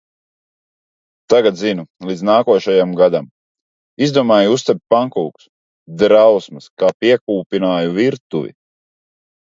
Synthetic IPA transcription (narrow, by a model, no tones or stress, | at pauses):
t̪aɡat̪zinulˠid̪znaːkuɔʃajamɡad̪am | izd̪uɔmaːjust̪ɛp̚ʲpaŋkuːks | d̪ɾawsmɨskaːpiɛkuːpʲinaːjuviɾt̪uvḭ